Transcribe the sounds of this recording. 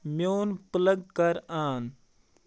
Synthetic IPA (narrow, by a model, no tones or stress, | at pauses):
mjoːnpələɡkɐɾaːn